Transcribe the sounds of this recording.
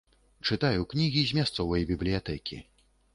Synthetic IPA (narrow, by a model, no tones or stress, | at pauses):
t͡ʂɨt̪ajuknʲiɣʲizʲmʲast̪sɔvɐjbʲiblʲijat̪ɛkʲḭ